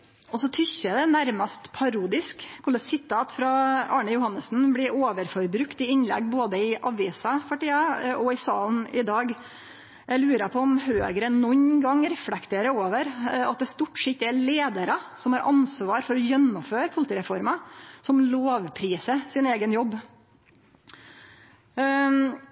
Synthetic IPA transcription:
ɔsɔt̪ʰʏçːəd̪ɛnæɾmɑst̪pʰɑɾuːd̪ɪskkʰʊləsɪt̪ʰɑːt̪fɾɑɑːɳəjʊhɑnːəsn̩blɪɾoːʋəɾfɔɾbɾʉkt̪ɪɪnlɛ̰ɡːboːd̪əɪʔɑʋʋiːsɑpʰɑʈiːɑʔɔɪsɑ̰ːlnɪd̪ɑːɡ | lʉːɾəpʰɔɔmhøːɡɾəɛnːɔnɡɑŋɾɛflɛkt̪ʰeːɾəoːʋəɾɑ̰t̪̚d̪ɛst̪ʊʈʂɛt̪ːɛleːd̪əɾɑsɔmhɑːɾʔɑnsʋɑːɾfɔɾɔjɛnːɔmføːɾpʰʊlt̪iːɾɛfɔɾmɑsɔmloːʋpʰɾiːsəsɪneːɡənjɔbː

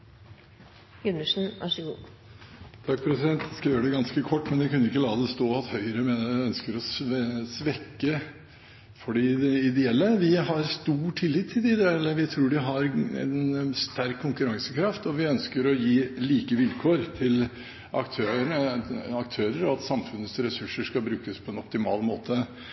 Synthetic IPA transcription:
jʉnəʂn̩ʔæ̰ʂɪɡṵː | t̪ʰɑk̚pʰɾɛsɪd̪ɛnt̪ɛskɑjøːəɖ̪ɛɡɑnskəkʰɔʈːmɛnjɛkʉnːəɪkːəlɑːd̪ɛst̪oːɑt̪hœʏəɾəmɛnəœnskəɾɔssʋɛkːə | fɔɖiːd̪ɛɪd̪ɛɛlːəʋɪɦɑɾst̪uːʈʰɪlːɪːt̪ʰːɪld̪ɪd̪ɛɛlːəʋɪt̪ʰɾuːɖɪɦɑɾɛ̰nst̪æɾkʰːʊŋkʉɾɑŋsəkʰɾɑft̪ɔʋɪœnskəɾɔjiːliːkəʋɪlkʰoːɾt̪ʰɪl | ɑ̰kt̪ʰøːəəɑk̚t̪ʰøːɾəɾɔɑt̪sɑmfʉnːəsɾɛsʉʂəʂkɑlbɾʉːkəspʰɔɛnɔp̚t̪ɪmɑ̰ːlmoːt̪ʰə

